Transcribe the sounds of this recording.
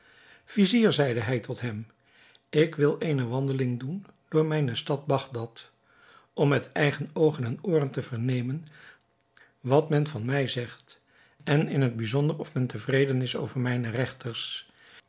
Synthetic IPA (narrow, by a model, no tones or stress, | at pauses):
fiziːɹzɛjdəɦɛjtɔtɦɛm | ɪkʋɪlˠejnəʋɑndəlɪŋdund̥ʊːɹmɛjnəstɑd̚bɑχdɑt | ʔɔmːɛtɛjχənowχənɛnʊːrəntəvəɹnejmən | ʋɑtmɛnvɑnmɛjzɛχt | ɛnɪnɦəd̚bizɔndərɔfmɛntəvrejdənɪso̰wvəɹmɛjnərɛχtəɹs